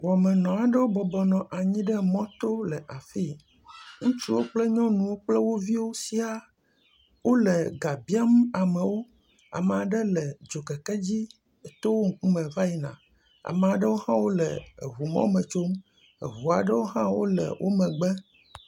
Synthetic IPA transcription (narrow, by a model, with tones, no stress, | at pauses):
wɔ˨mɛ˨nɔ̃˨a˨ɖə˦wo˦bɔ˨bɔ˨nɔ̃˨ʔa˨ɲĩ˦ɖɛ˦mɔ̃˦t̪o˦lɛ˨ʔa˨fi˦ | ŋũ˦t͡ʃi˦wo˦k͡plɛ˦ɲɔ̃˦nũ˨wo˦k͡plɛ˦wo˦vi˦wo˦si˦a˨ | wo˦lɛ˨ɡa˨bi˦a˦m˦a˨mɛ̃˨wo˦ | a̰˨m˨a˨ɖɛ˦lɛ˨d͡ʒo˨kɛ˨kɛ˦d͡ʑi˦ | ɛ˨t̪o˦wo˦ŋ̩˦ku˦mɛ̃˨va˦ji˨nã̰˨ | a̰˨mɛ˨a˨ɖɛ˦wo˦hã˦wo˦lɛ˨ɦu˨mɔ̰̃˦o˦mɛ̃˨t͡ʃo˦m | ḛ˨ɦu˨a˨ɖə˦wo˦ɦã˦wo̰˦lɛ̰˨wʔo̰˦mɛ̃˨ɡ͡bɛ˦